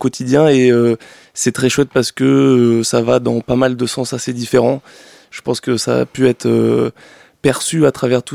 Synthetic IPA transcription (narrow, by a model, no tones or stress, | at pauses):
kɔt̪ʰid̪jɛ̃eø | sɛt̪χɛʃwɛt̪̚paʁsə̥kəsavad̪ɑ̃pamald̪əsɑ̃sased̪ifeʁɑ̃ | ʒ̥əpɑ̃skəsa̰ːpyɛt̪χø | pɛʁsyat̪χavɛʁt̪u